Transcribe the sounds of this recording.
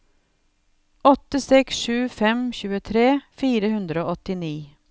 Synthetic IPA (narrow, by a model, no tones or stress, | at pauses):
ɔt̪əsɛksʃʉːfɛmçʉːət̪ʰɾeːfiːɾəhʉnd̪ɾəoːɔt̪ɪniː